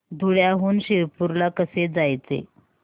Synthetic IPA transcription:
d̪ʱuɽjaɦuːnɕiɾpuɾlakəsed͡zajt͡sḛ

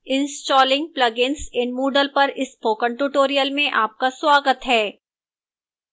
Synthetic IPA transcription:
ɪ̃nsʈɔːlɪ̃ŋɡ̚plɐɡɪnsɪ̃nɖmuːɖəlpɐɾɪspoːkə̃ɳʈuʈoːɾijəlmẽʔaːp̚kaswaːɡət̪ɦɛː

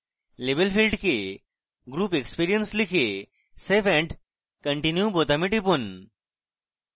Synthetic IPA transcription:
lebelfilɖke | ɡɾuːpekspiɾijənslikʰe | sefɛ̃ɳɖ | kəɳʈinjubot̪amiʈipun

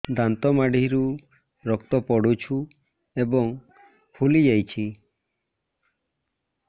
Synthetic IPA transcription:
d̪ant̪ɔmaɖiɾu | ɾɔkt̪ɔpɔɽut͡ʃʰu | ebɔŋ | pʰulid͡ʒajt͡ʃʰi

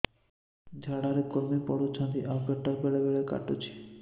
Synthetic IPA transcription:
d͡ʑʱaɽaɾekoɾmipɔ̰ɽot͡ɕʰand̪iʔapɛʈːaɾbɛɽebɛɭeka̰ʈːot͡ɕʰi̥

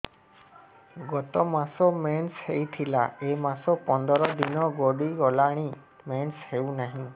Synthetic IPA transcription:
ɡɔt̪ɔmasɔmenshejt̪ʰila̰emasɔpɔnd̪ɔɾɔd̪inɔɡɔɽiɔlaɽ̃i | menshewnaɦĩ

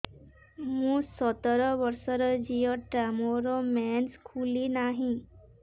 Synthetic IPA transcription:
mmũːsɔt̪ɾɔʋəɾsɔɾɔd͡ʑijɔʈɾamoɾɔmɛnskʰulinaɦĩ

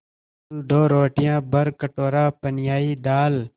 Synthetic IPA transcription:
lɖoːɾoːʈɪjãːbəɾkəʈoːɾãːpənjaːiːd̪aːl

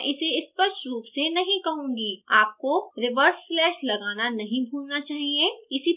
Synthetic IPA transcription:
ʔɪseɪspəʃʈɾuːpsenɐɦĩkɐɦũːŋɡiaːp̚koɾɪʋəɾsflɛːʃlɐɡaːnanɐɦĩbʱuːlnat͡ʃaːɦieɪsi

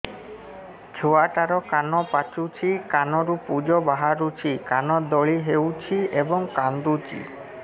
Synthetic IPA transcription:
d͡ʒʰʱoaʈaɾɔkanɔpat͡ʃut͡ʃʰikanɔɾupud͡ʒɔbaɦaɾut͡ʃʰikanɔd̪ɔɭiɦewt͡ʃʰiebɔŋkand̪ut͡ʃḭ

